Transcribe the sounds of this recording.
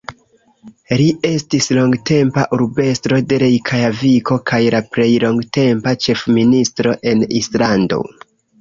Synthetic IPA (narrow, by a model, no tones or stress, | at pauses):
liʔe̞stislo̞ŋɡte̞mpaʔuɾbe̞stɾo̞de̞ɾe̞jkʰajaviko̞kajlapɾe̞jlo̞ŋɡte̞mpat͡ʃe̞fministɾo̞ʔe̞nislando̞̰